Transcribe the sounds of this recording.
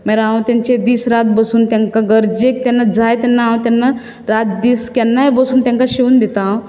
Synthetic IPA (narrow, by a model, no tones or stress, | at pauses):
mɛɾaãwt̪jãɲt͡ɕed̪iːsɾat̪̚bəsuːnt̪jãŋkaɡəɾd͡ʑek̚t̪janːad͡zajt̪anːaãt̪janːa | ɾat̪̚d̪iːskanːajbəsuːnt̪jãŋkaɕiuːnd̪et̪a